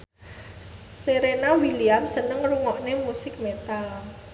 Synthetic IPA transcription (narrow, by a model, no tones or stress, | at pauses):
seɾenawiliamsənəŋruŋɔʔnemusɪk̚met̪al